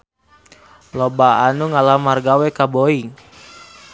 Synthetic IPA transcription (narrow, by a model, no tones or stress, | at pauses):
lɔbaanuŋalamarɡawɛkaboiŋ